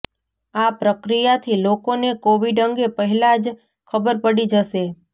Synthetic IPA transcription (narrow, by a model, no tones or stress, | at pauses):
apɾəkɾijat̪ʰilokonekoʋiɖəŋɡepəɦɛlad͡ʒ | kʰəbəɾpəɽid͡ʒəʃe